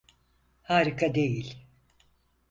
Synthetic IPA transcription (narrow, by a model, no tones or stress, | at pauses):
haːɾikʰad̪e̞jilʲ